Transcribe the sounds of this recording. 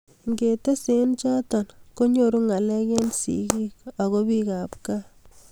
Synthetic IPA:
ŋɡe˨te˦sent͡ʃɔ˦tɔ˨nko˦ɲo˦ɾu˦ŋa˨lɛ˦ke˦nsḭ˨ki˦kɔ˨ɣo˦pi˦ka˨p̚ka˦

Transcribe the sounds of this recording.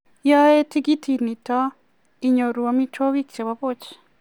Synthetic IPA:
ja˦je˦ti˦ɡi˦tʰi˨ni˨ta˦ | i˨ɲo˨ɾu˨a˨mi˦t͡ʃo˦βi˦kt͡ʃe˨βa˨βo˦t͡ʃe̥

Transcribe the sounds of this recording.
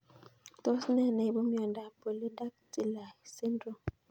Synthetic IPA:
to˦snɛ˦˨ne˨bɔ˦mjɔ˨nda˨po˨le˦da˦k̚ti˨la˨se˦ndo˨

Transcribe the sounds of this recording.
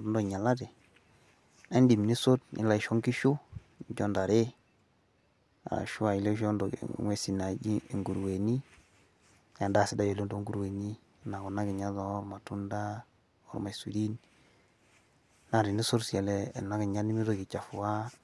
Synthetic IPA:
dndo˨ɲa˨la˦de˨ | a˦ndi˨mni˦so˦tnḭ˦la˨i˨ʃo˦ŋki˦ʃu˦ | ɲ˦ɟɔ˦nda˨ɾe˦ | a̰˨a̰˨ʃu˦a˨i˨le˦ʃo˦ndo̰˨ŋwe˦si˨na˨d͡ʒḭ˦˨ŋɡu˨ɾwe˨ni˦ | ja˨da˦˨sɪ˦da˦je˨lo˦ndo˦ŋɡu˦ɾwe˨ni˦ | na˨ɡu˨na˦ɡɪ˨ɲa˦ðo˨˦ɾma˨tu˦nda˦ | ɔ̰˦ɾma˨sṵ˨ɾi˦n | na˨ɾi˨ni˦so˦ɾsi˨a˨lɛ˦˨na˦ɡɪ˨ɲa˦ni˦mi˦do˨ki˨t͡ʃa˨fu˨wa˦

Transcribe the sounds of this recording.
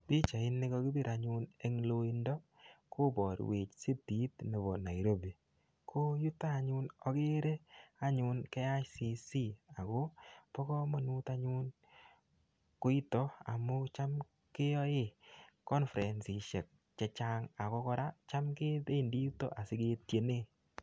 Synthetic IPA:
pi˦t͡ʃa˨ɪ˦nːɪ˦kɔ˧˦kɪ˦bi˦ɾa˨ɲʊ˦ne˦ŋlo˦i˦ndɔ˦ | kʰo˦bɔ˨ɾ̰we˨t͡ʃsi˦ti˨˦tne˨βɔ˨na˨i˨ɾo˦ba˨ | kʰo˦ju˦ta˦˨ɲʊ˦nɔ˦ke˦ɾe˦a˦ɲʊ˦nkɛ˦a˦ʃsi˦si˦a˨ko˦pɔ˦kɔ˦mɔ˨nu˦ta˦ɲʊ˦n | ko˦i˦tɔ˦a̰˨mo˦t͡ʃa˦m | ke˦jɔ˦ɪ˦kɔ˦nfɾɛ˨nsi˨ʃe˨k̚ | t͡ʃɛ˧t͡ʃa˦ŋa˨kɔ˦kɔ˦ɾa˦t͡ʃa˦mke˦te˦˨ndi˦ju˦to̰˦ʔa˨sɪ˨˦ke˦tje˨ne˦˨

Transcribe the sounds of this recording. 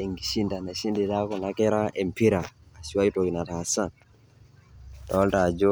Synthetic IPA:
e˨ŋɡi˨ʃi˦nda˨na˨ʃi˦ndi˨ta˦ko˨na˦kɛ˦ɾa˦ʔe˨mpi˦ɾaː˨ | si˨wa˦i˦to˨ɡi˨na˨ta˨sa˦n | ta˨wa˦lta˨d͡ʒo˦

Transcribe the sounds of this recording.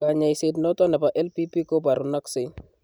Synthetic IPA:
ka˨ɲa˨jse˨tnɔ˦tɔ˦nɛ˨pa˨ʔɛ˦lpi˦pi˦kɔ˦ba˨ɾu˨na˦ksɪ˨

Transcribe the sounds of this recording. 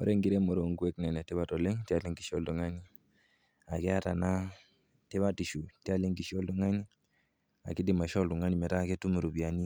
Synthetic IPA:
ɔ̰˦ɾe˦ŋɡi˦ɾe˦mo˨ɾo˨ŋɡu˦e˦knɛ˨nɛ˨tɛ˦βa˦tɔ˨le˦ŋti˦a˨le˦ŋɡi˨ʃɔ˦ldu˨ŋa˦ni˦ | a˨kɛ˦a˦ta˨na˦ | tɛ˦βa˦ti˨ʃu˨ti˦a˦le˦ŋɡi˨ʃɔ˦ldu˦ŋa˦ni˦ | a̰˨ki˦di˨ma˨ʃɔ˦ldu˨ŋa˦ni˨mɛ˨ta˦˨ke˦tu˦mu˨ɾu˨bi˨a˨ni˦

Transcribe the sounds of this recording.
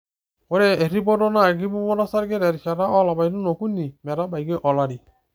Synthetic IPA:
o˦ɾɛ˦e˨ɾi˦bɔ˦dɔ˦na˦˨ɡi˦bu˦mɔ˦ɾa˦sa˦ɾɡe˦ɾɛ˨ɾi˨ʃa˨ɾa˦ʔɔ˦la˨ba˨jnu˦no˨ku˦ni˨mɛ˨ɾa˦ba˨jɡe˦ʔɔ˨la˦ɾi˨

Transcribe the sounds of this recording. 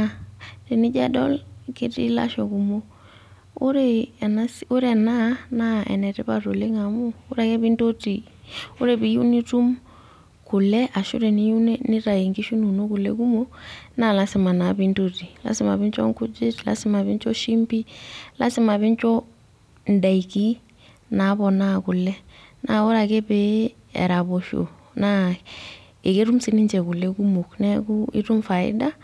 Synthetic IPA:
re˨nɪ˦d͡ʒa˦dɔ˦lke˦tḭ˦la̰˦ʃɔ˨ku˨mo˦ | o˦ɾe˨na˦so˦ɾɛ˨na˦na˦ʔɛ̰˨nɛ˨ɾɛ˦βa˨ɾo˨le˦ŋa˨mɔː˦ɾa˦˨kɛ˦βi˦ndo˦ti˨ | o˦ɾe˨βi˨˦ju˦ni˦tu˦m | ku˨lɛ˦ʔa˨ʃṵ˦ɾe˨ni˦u˦nɛ˦nɪ˦ɾa˨e˨ŋɡi˦ʃu˦nu˨no˦ku˨lɛ̰˦ku˦mɔ˦na˦˨la˦sɪ˨ma˨na˨bi˦nto˦ti˨la̰˨˦sɪ˦ma̰˨bɪ˦nt͡ʃɔ̰˦ŋku˦d͡ʒɪ˦tla̰˨sɪ˦ma˨βi˦ɲt͡ʃɔ˦ʃi˦mpi˦la̰˦sɪ˦ma˨βi˦nt͡ʃɔ˦ | n̩˨da˨iki˦ | na˨˦bɔ˨na˦kʊ˨lɛ˦na˨o˦ɾa˨ke˦pe˦ | ɛ̰˨ɾa˨bo˨ʃo̰˨ | na˦ | e˨ke˦ɾu˦msɪ˦nɪ˦ɲt͡ʃɛ˨ku˨lɛ˦ku˦mo˨knɛ˦ku˦ḭ˦tu˦mfa˨ɪ̰˦da˦

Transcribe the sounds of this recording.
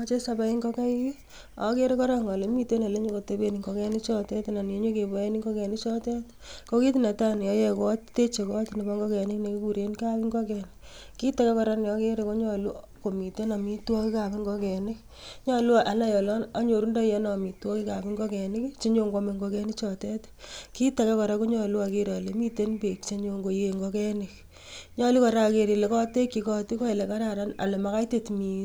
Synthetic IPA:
ɔ˦t͡ʃe˦sa˦ba˦i˦ŋɡɔ˦ka˦i˦ki˦ | ɔ̰˨˦ke˦ɾe˦kɔ˦ɾa˦ŋɔ˨le˨mi˦te˦na˨le˦ɲo˦ko˨te˨˦be˨ni˨ŋɡɔ˨kɛ˦nɪ˦t͡ʃɔ˦tɛ˦tna˨ne˨˦ɲo˦ke˨bɔ˨e˦ni˦ŋɡɔ˦kɛ˨nɪ˦t͡ʃɔ˦tɛ˦t | ko˦ki˦ti˦na˨ta˦n˨jɔ˨˦jɛ˦kɔ˦tte˦t͡ʃe˨kːtni˨ba˦ŋɡɔ˦kɛ˨nɪ˦kne˨ki˦ku˨ɾe˦nka˦pɪ˦ŋɡɔ˦kɛ˨n | ki˦ta˦ka˦kɔ˦ɾa˦njɔ˦ke˦ɾe˦ko˦ɲɔ˦lu˦ko˨mi˨te˦na˨mi˦twɔ˦ki˦ka˨pɪ˦ŋɡɔ˦kɛ˨nɪ˦k | ɲɔ˦lu˦˨ʔa˨˦na˦jɔ˨lɔ˦na˦ɲo˨ɾu˦ndɔ˦jɛ˨˦nɔ˨mi˨twɔ˦ki˦ka˨pi˦ŋɡɔ˦kɛ˨ni˦kt͡ʃe˦ɲo˦ŋɡo˧me˧ŋɡo˧kɛ˦nɪ˦kt͡ʃɔ˨tɛ˦t | ki˦ta˨kɛ˦kɔ˨ɾa˦ko˦ɲɔ˨lu˦a˨ke˦ɾɔ˨le˨mi˦te˦npe˨kt͡ʃe˦ɲo˧ŋɡo˨je˨ŋɡɔ˦kɛ˦ni˨k̚ | ɲɔ˦lu˦kɔ˨ɾa˦ke˨ɾi˨le˨kɔ˦te˦kːi˨kɔ˧ti˦kɔ˦e˨le˨ka˦ɾa˨ɾa˦na̰˨le˨ma˨ka˦jte˦tmi˨

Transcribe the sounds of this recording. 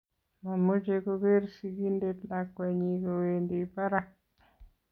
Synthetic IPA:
ma˨mo˦d͡ʒeko˦ɡe˦ɾsiki˦nde˦tlakwaɲiko˨wendipa˦ɾak̚

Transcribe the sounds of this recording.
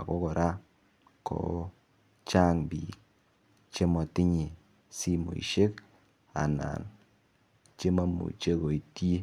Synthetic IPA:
a̰˨ko˦kɔ˨ɾʔa˦ | kʰo̰˦ | t͡ʃa˦ŋbi˨k | t͡ʃe˦mɔ˨tɪ˦ɲi˨ | si˦mo̰˨ḭ˨ʃe˦k | a̰˨na̰˨n | t͡ʃe˦ma˦mṵ˨t͡ʃe˦ko˨i˨tje˦

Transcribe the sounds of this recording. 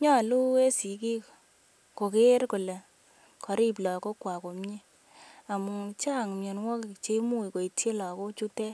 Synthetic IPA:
ɲɔ˦˨lu˦e˦si˨˦ki˦k | ko˨ke˦ɾkʊ˨le˨ | kɔ˨ɾi˦p̬lɔ˨ko˦kwa˨ko˨mɲe˦ | a˨mu˨t͡ʃa˦˨ŋmjɔ˨nwɔ˦kt͡ʃe˦mu˦i˨ko˨i˨tʰje˦lɔ˨ko˦t͡ʃu˦tɛ˦

